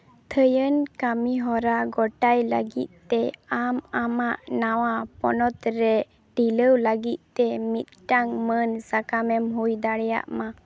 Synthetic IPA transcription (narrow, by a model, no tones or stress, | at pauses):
t̪ʰəjənkamiɦɔɾaɡɔʈajləɡit̪̚t̪ɛamamaʔnawapɔnɔt̪ɾɛ | ʈiləwləɡit̪̚t̪ɛmit̪̚ʈaŋmənsakamɛmɦujd̪aɽɛja̰ʔma